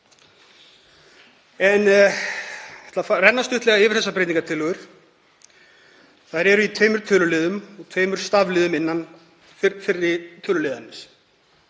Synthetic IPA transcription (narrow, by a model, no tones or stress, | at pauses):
ɛn | ɛt̪lafarɛnːast̪ʏht̪lɛɣaɪːvɪɾ̥θɛsːapɾejt̪niŋkat̪ʰɪlʏɣʏɾ̥ | θaðɾɛɾʏit̪ʰvœːɥmʏɾ̥t̪ʰœːlʏlɪːðʏmɔɣt̪ʰvœːɥmʏɾ̥st̪avlɪːðʏmɪnːan | fɪɾːɪt̪ʰœːlʏlɪːðanːɪs